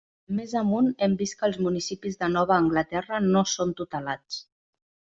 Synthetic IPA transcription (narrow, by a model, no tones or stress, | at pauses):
mezəmunɛmbist̪̚kəːlˠzmunisipizðənɔβ̞əːŋɡlət̪ɛrənosont̪ut̪əlat͡s